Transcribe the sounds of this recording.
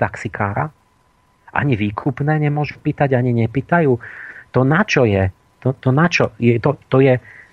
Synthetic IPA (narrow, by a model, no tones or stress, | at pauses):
t̪aksikʰaːɾa̰ | ʔa̰ɲiʋiːkʰupnɛːɲɛmʊɔʒupiːt̪aɟaɲiɲɛpiːt̪ajuːt̪ɔnat͡ʃɔjɛ | t̪ɔt̪ɔnat͡ʃɔjɛt̪ɔt̪ɔjɛ